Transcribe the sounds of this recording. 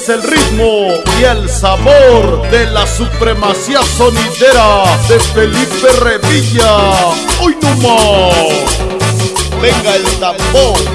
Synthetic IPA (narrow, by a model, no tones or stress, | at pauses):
selrit̪mojelsaβoɾðelasupɾe̞masiaso̞niðeɾaðe̞felipereβiʎa | ojnuma | beŋɡaelt̪ambon